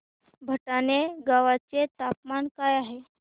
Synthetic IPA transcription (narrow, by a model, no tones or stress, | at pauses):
bʱəʈaneɡaʋat͡set̪apmankajaɦe